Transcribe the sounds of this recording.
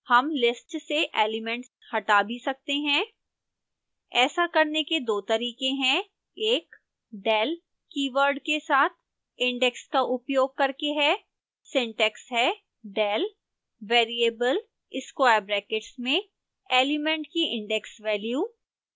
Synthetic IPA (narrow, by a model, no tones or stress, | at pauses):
hɐmlɪsʈseʔeːlɪmɛ̃ɳʈs | hɐʈabʱisɐk̚t̪eɦɛ̃ː | ɛːsakɐɾneked̪oːt̪ɐɾiːkẽɦɛ̃ | eːk | ɖɛːl | kiːʋəɾɖkesaːt̪̚ʰ | ɪ̃ɳɖɛkskaʔʊpjoːɡ̚kɐɾkeɦɛː | sɪ̃ɳʈɛksɦɛː | ɖɛːl | ʋeːɾieːbəl | ɪskwaːjɾbɾɛːkɪʈsmẽ | eːlɪmɛ̃ɳʈkiʔɪ̃ɳɖɛksʋɛːljuː